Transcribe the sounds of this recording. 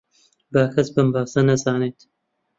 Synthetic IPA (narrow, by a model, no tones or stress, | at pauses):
baːkʰɐsbɐmbaːsɐnɐzaːneːt̪